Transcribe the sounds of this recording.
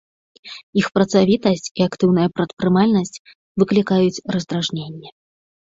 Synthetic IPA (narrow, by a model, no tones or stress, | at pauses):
ixpɾɐt̪savʲit̪ɐsʲt͡sʲiakt̪ɨwn̪ɐjɐpɾɐt̪pɾɨmalʲnɐsʲt͡sʲ | vɨklʲikajut͡sʲrɐzd̪ɾaʐnʲenʲːɛ